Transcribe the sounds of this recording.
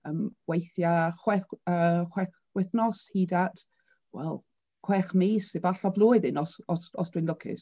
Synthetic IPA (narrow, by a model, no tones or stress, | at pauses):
əːmwejθjaχwɛəːχwɛχ | wɛθnɔshiːdatʰ | wɛ̰lˠ | kʰw̥ɛːχmiːsɪbaɬɔvlˠʊːɨðɪnɔsɔsɔ̰sd̥wɪnləkʰɪ̰s